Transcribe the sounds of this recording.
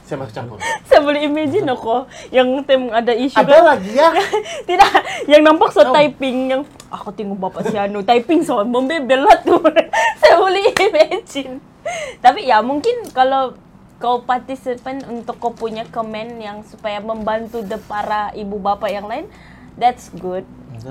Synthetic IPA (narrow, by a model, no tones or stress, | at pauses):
sajamat͡ʃamsajabolɛhimad͡ʒɪnɔkɔjaŋt̪amŋadaiʃukalaɡiaat̪idajaŋnampak̚sot̪aipɪŋjaŋ | akat̪iŋʊbapaʔsianut̪aipɪŋsoməmbebelat̪usajabolɛhimad͡ʒɪn | t̪apijamuŋkɪnkalo | kopart̪isipənunt̪ʊkːopuɲakəmɛnjaŋsupajaməmbant̪udəpaɾaʔibubapajaŋlaɪn | dɛt̪sɡʊd̚